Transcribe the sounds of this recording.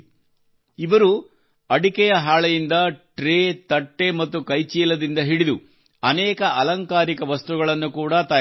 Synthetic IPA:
iʋɐɾu | ɐɽikɛjɐɦaːɭɐjind̪ɐʈɾet̪ɐʈːe̞mɐt̪ːukɐjt͡ʃiːlɐd̪ind̪ɐɦiɽid̪u | ɐnɛːkɐʔɐlɐŋkaːɾikɐʋɐst̪uɡɐɭɐnːukuːɽɐt̪ɐ

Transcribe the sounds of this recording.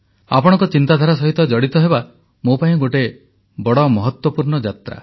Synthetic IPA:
a̰pɔɽ̃ɔ̃ŋkɔt͡ʃint̪ad̪ʱaɾasɔɦit̪ɔd͡ʒɔɽit̪ɔɦeba | mopaĩɡoʈe | bɔɽɔmɔɦɔt̪wɔpuɾɳɔd͡ʒat̪ɾa̰

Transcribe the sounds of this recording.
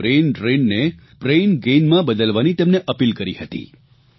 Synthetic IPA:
ɾenʈɾenne | pɾenɡenmãbəd̪əlʋanit̪emneʔəpilkəɾihət̪ḭ

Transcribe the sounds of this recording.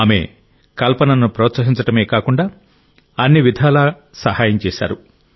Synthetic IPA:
aːme̞̰ | kɐlpɐnɐnːupɾɔːt̪sɐɦiɲt͡ʃɐʈɐmeːkaːkuɳɖaː | ɐnːiʋid̪ʱaːlaː | sɐhaːjɐmt͡ʃɛːʃa̰ːɾu

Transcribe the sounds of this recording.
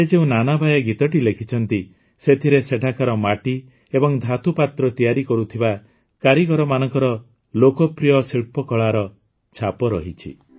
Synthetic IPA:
sed͡ʒeũnanabʱajɔɡit̪ɔʈilekʰit͡ʃʰɔnt̪i | set̪ʰiɾeseʈʰakaɾɔmaʈi | ebɔŋd̪ʱat̪ʰupat̪ɾɔt̪ijaɾikɔɾut̪ʰiba | kaɾiɡɔɾɔmanɔŋkɔɾɔ | lokɔpɾijɔsiɭpɔkɔɭaɾɔ | t͡ʃʰapɔɾɔ̰ɦit͡ʃʰḭ

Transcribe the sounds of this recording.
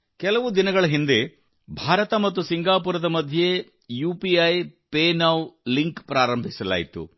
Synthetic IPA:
kɛlɐʋud̪inɐɡɐɭɐɦind̪e̞ | bʱaːɾɐt̪ɐmɐt̪ːusiŋɡaːpuːɾɐd̪ɐmɐd̪ʱje | juːpiɐjpeːnɐwliŋkpɾaːɾɐmbʱisɐla̰ːjit̪ṵ

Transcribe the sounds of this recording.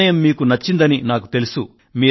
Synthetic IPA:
ɐjɐmːiːkunɐt͡ʃːind̪ɐninaːku̥t̪e̞lusu | miː

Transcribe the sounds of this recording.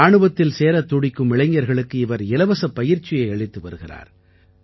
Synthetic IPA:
aːɳɯbɐt̪ːɪlseːɾɐt̪ːʊɽɪkːɯmɪɭɐɪŋɡɐɾɣɐɭɯkːɯɪʋɐɾɪlɐʋɐsɐpːɐjɪɾt͡ʃːɪjɐɪɐɭɪt̪ːɯʋɐ̰ɾɯɣɪra̰ːɾ

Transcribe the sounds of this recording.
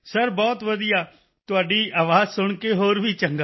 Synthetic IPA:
səɾbɔːt̪ʋəd̪ijaː | t̪ʊaːɖiːʔaːʋaːzsʊɳ̃keːɦoːɾʋiːt͡ʃəŋɡaː

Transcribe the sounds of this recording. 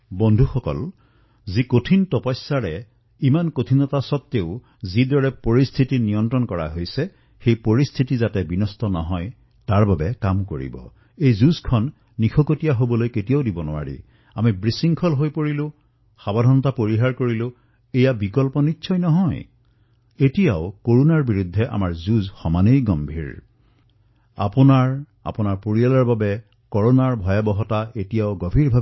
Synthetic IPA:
bɔndʱuxɔkɔ̰l | zikotʰintɔpɔsːaɹɛ | imankotʰinɔtasɔt̪ːeʊ | zidɔɹɛpoɹist̪ʰitinijɔntɹɔnkɔɹa̰ɦojsɛ | xejpoɹist̪ʰitizatɛbinɔstɔnɔ̰ɦɔj | taɹbabɛkamkoɹḭbɔ̰ | ejzuskʰɔnː | ixʰɔkotijaɦobɔlojketijaʊdibɔnʊ̰wa̰ɹḭ | amibɹisiŋkʰɔlɦojpoɹilʊ̃ | xabadʱɔnɔtapoɹiɦaɹkoɹilʊ̃ | ejabikɔlpɔnitːsʰɔjnɔɦɔj | etijaʊkoɹunaɹbiɹud̪ʱːɛʔa̰maɹzuzxɔmanejɡɔmbʱḭɹ | a̰pʊnaɹ | a̰pʊnaɹpoɹijalaɹbabɛ | kɔɹonaɹbʱɔjabɔɦɔtaʔetijaʊɡɔbʱiɹbʱa

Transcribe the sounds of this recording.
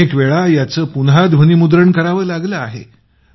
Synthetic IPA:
ekʋeɭajat͡səːpunɦad̪ʱʋ̤ənimud̪ɾəɳkəɾaʋəːlaɡləaɦḛ

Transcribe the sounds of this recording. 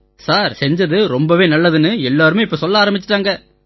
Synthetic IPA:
saːɾsɛɲd͡ʒɐðɯɾɔmbɐʋeːnɐlːɐðɯnɯɛlːaːɾɯmẽɪpːɐsɔlːɐaːɾɐmbɪt͡ʃːɪ̥ʈːaːŋɡɐ

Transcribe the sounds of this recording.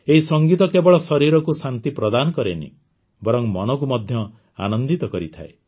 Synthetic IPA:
eɦisɔŋɡit̪ɔkebɔɭɔsɔɾiɾɔkusant̪ipɾɔd̪anɔkɔɾenḭ̃ | bɔɾɔŋmɔnɔk̬umɔd̪ʱjɔ | a̰nɔnd̪it̪ɔkɔɾit̪ʰa̰e

